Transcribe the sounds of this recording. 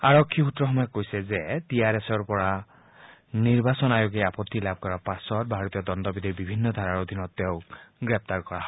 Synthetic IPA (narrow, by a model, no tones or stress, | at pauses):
aɹɔkʰːiut̪ɾɔxɔmɔjekːojsezet̪iaɾesɔɹpɔɹa | niɹbasɔnajoɡejapɔt̪ːilab̚ʱkɔɾapasɔt̪̚bʱaɹɔt̪ijɔd̪ɔnd̪ɔbid̪ibibʱinːɔd̪ʱaɾaɹod̪ʱinɔt̪ːewɡɹep̚t̪aɹkɔɹaɦɔj